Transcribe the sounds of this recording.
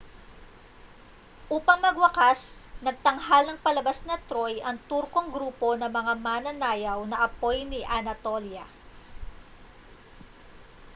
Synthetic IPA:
ʔuːpɐŋmɐɡwɐkasnɐɡ̚t̪ɐŋɦalnɐŋpɐlɐbasnɐt̪ɾo̞jʔɐŋt̪uɾko̞ŋɡɾuːpo̞nɐmɐŋamaːnɐnaːjɐwnɐʔɐpo̞jnɪʔɐnɐt̪o̞ljɐ

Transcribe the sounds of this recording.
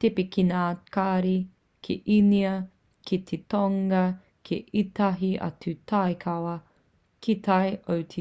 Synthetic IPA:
tepikinaːkaːɾi | kʰḛʔiniɐ | kʰit̪ʰetoŋɐ | kʰeʔitɐɦiʔɐ̰tutʰajkʰɐwɐ | kʰit̪ʰɐjʔowtʰi

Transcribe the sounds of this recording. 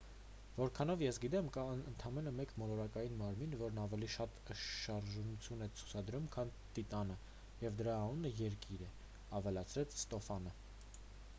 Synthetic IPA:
vɔɾkʰɑn̪ɔvjɛsɡit̪ɛmkɑənt̪ʰɑmɛnəmɛkmɔlɔɾɑkɑjinmɑɾminvɔɾnɑvɛliʃɑt̪ʃɑɾʒunut͡sʰjunɛt͡sʰu̥t͡sʰɑd̪ɾumkʰɑnt̪it̪ɑnə | jɛvd̪əɾɑːnunəjɛɾkiɾɛ | ɑvɛlɑt͡sʰɾɛt͡sʰst̪ɔfɑnə

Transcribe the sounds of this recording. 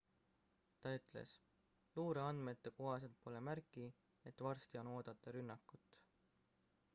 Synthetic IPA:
t̪ɑyt̪ːˑle̞̰s | luːɾe̞ɑnd̪̥me̞t̪ːe̞koɦɑs̬e̞lt̪̚po̞lemæɾkːˑi | e̞t̪ːˑvɑrst̪io̞no̞ːd̪̥ɑt̪ːˑɑɾynːɑkːˑut̪ːˑ

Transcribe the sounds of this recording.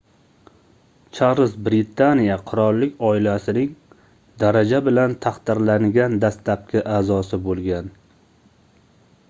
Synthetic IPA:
t͡ʃʰaɾɨzbɾɪt̪ʰanijaqʰʊɾɒlˠːɪkʲʰɒɪlasɪnɪŋ | d̪aɾad͡ʒabɪlant̪ʰɑqt̪ɪɾlaŋɡʲand̪ast̪lap̚kʲʰɪʔaːzɒsɪbolˠɡʲan

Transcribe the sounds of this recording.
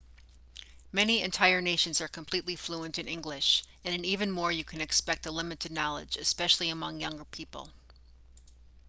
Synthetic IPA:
mɛniɨ̰̃ntʰaɪə˞neɪʃɨ̃n̩zə˞kʰəm̩pʰl̥itˡlifluə̃ntɨ̃nɪ̃ŋɡlɪʃ | ɨ̃nɨ̃nivɨ̃nmɔɹjɨkʰɨ̃nɨkspɛk̚təlɪ̃mɨɾɨdⁿnɑlˠə̰d͡ʒɨspɛʃl̩ˠiɨmʌ̃ŋjʌ̃ŋɡə˞pʰipə̰l̩ˠ

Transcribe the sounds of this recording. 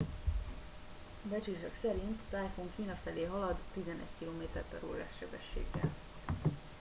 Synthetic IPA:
bɛt͡ʃeːʃɛksɛɾint̪ːaːjfoŋkiːnɒfɛleːɦɒlɒd̪ːizɛnɛ̰ɟkiloːmeːt̪ɛrpɛɾo̰ːɾa̰ːʃɛbɛʃːḛːɡːɛ̰l

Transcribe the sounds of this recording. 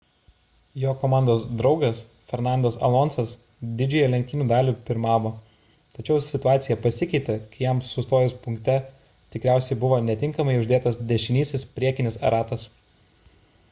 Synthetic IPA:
joːkoːmɑˑnd̪oːsd̪ɾɒʊɡɐs | fʲɛɾnɑˑnd̪ɐsɐ̰lˠɔntsɐs | d̪ʲɪd͡ʒʲʊjɛlʲɛ̃ŋkt̪ʲiːnuːd̪ɑːlʲupʲɪɾmɑːʋoː | t̪ɐt͡ʃʲɛʊsʲɪt̪ʊaːt̪sʲɪjɛpɐsʲɪkʲɛɪt̪ʲɛkɐɪjɛmsʊst̪oːjɛspʊŋʲkt̪ʲɛ | t̪ʲɪkɾʲæˑʊsʲɛɪbʊʋoːnʲɛt̪ʲɪŋkɐmɐɪʊʒʲd̪ʲeːt̪ɐsd̪ʲɛʃʲɪnʲiːsʲɪspʲɾʲiɛkʲɪnʲɪsɐ̰ɾɑːt̪ɐs

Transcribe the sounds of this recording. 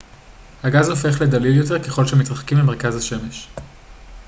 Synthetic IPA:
haɡazo̞fe̞χle̞d̪alidjo̞t̪eʁke̞χo̞lʃemit̪ʁaχkimleme̞ʁkazhaʃe̞me̞ʃ

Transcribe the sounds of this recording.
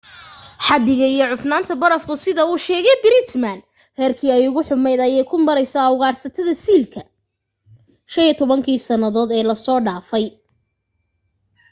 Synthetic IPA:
ħɑd̪ɪɣɐijɞʕʊfnaːnt̪ʰɐbɐɾɐfkʰʊsɪðɐuːʃɛːɣɛjbɪɾɪt̪man | hɛːrkʰiːɛjʊɣʊħʊmɛjd̪ɐjɛjkʰʊmɐɾɛjsɐwɣaːrsɐt̪ʰɐðɐsiːlkʰɐ | ʃɐniɛt̪ʰɔβɐŋkʰiːsɐnɐðɔːd̪ɛːlɐsɔːɖaːfɛj

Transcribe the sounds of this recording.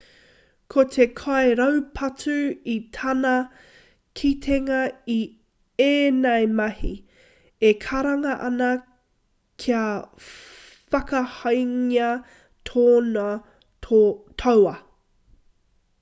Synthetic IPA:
kʰotʰe̞kʰaeɾɐwpʰɐt͡sʉit̪ʰɐnɐ | kʰit̪ʰeŋɐi | eːnɐjmɐhi | ekʰɐɾɐŋɐʔɐnɐ | kʰiɐ | fɐkɐhɐjŋiɐ | tʰoːnɐ | t̪ʰowɐ

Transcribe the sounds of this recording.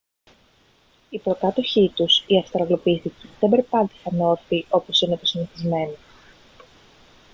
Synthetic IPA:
ipɾo̞kɐt̪o̞çit̪usiɐfst̪ɾɐɣlo̞piθiceðe̞mbe̞ɾpɐnt̪i̥xɐno̞fiʔo̞po̞sine̞t̪osiniθizme̞no

